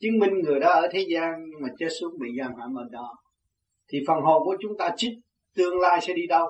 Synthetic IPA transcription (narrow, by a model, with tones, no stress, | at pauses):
t͡ɕɨ˨˧˦əŋmï˨˩ŋ̟ŋɨ˨˩əjɗaː˧ʔəː˧˩t̪ʰe˨˦zaː˧nɲɨ˧ŋmaː˨˩t͡ɕe˦˥t̚su˦˥ət̚ɓḭ˨˩zaː˧˩nhwa̰ː˧˩mə̰˨˩n̚ɗɔ˨˩˦ | t̪ʰi˨˩fə˨˩nɦo̰˧˨˩ku˨˧˩ət͡ɕʊ˨˦ŋ͡mt̪aː˧t͡ɕi˦˥k̚ | t̪ɨ˧əŋla̰ː˧jsɛ̰˧˥ɗi˧ɗə˧w